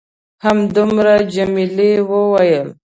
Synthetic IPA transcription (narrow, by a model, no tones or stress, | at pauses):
hamd̪umɾad͡ʒamilewəwajəl